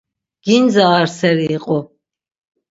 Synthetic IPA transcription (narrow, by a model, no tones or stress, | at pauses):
ɡ̥inzaːɾsɛɾiːqʼɔ